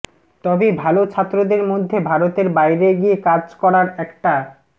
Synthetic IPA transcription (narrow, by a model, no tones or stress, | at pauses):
t̪ɔbebʱalot͡ɕʰat̪ːɾod̪eɾmod̪ʱːebʱaɾot̪eɾbajɾeɡiekad͡ʑkɔɾaɾɛkʈa